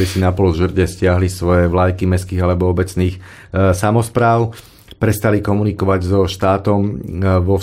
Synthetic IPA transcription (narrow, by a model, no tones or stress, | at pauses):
ɛsinapɔlʒr̩ɟɛscɪaɦlisʋɔjɛʋlajkimɛskiːɣalɛbɔɔbɛt͡sniːx | samɔspɾaːʊ | pɾɛst̪alikɔmunikɔʋaɟzɔʃt̪aːt̪ɔmʋɔ